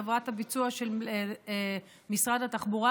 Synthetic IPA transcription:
avʁathabit͡suaʃel | misʁadhataχbuʁa

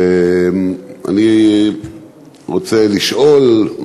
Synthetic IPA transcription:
a̰ni | ʁot͡seliʃʔol

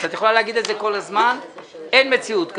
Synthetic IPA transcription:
t̪at̪jexolaleaɡid̪elzeko̞lazmane̞nme̞t͡siut̪k

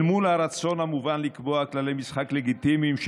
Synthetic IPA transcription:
mulaɾat͡so̞nhamuvanlikboaklalejmisχakleɡit̪imimʃ

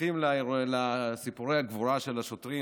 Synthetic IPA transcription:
imlalasipuʁeaɡvuɾaʃe̞laʃot̪ʁi

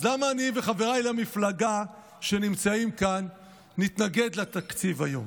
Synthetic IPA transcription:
lamaːniveχave̞ʁajlamiflaɡa | ʃe̞nimt͡saimkanː | it̪naɡe̞d̪lat̪akt͡sivajo̞̰m

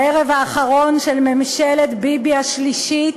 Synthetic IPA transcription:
eʁevaːχaʁo̞nʃelmemʃelet̪bibiaʃliʃi

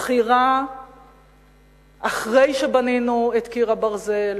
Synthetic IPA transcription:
χiʁa | aχʁe̞jʃebaninuet̪kiʁabaʁzel

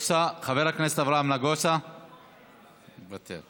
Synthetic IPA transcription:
saχaveɾaknes̬et̪avɾamlaɡosa | bat̪ʰḛl

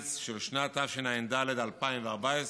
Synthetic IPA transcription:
t͡sʃɪlʃnat̪afʃɪnaɪndalɛdalpaɪnvaʁbaɪs

